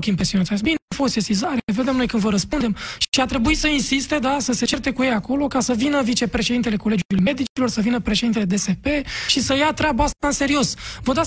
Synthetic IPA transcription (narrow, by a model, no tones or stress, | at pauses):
kʲimpɾe̞sionat̪sbinefosesizaɾve̞d̪emno̞jkɨnvəɾəspund̪e̞mʃiat̪ɾe̞buisəinsist̪e̞d̪asəse̞t͡ʃert̪e̞kujejako̞lo̞kasəvinəvit͡ʃe̞pɾeʃed̪int̪ele̞kole̞d͡ʒuujme̞d̪it͡ʃilo̞rsəvinəpɾeʃe̞d̪int̪eled̪e̞se̞pe̞ʃisəjat̪ɾʲabaast̪aɨnse̞ɾio̞svod̪a